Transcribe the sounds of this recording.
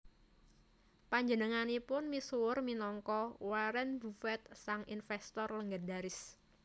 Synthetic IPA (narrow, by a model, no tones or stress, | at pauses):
paɲd͡ʒənəŋanipʊnmisuʊrminɔŋkɔwaɾɛnbufɛt̪̚saŋinfɛst̪ɔrləŋɡadaɾɪs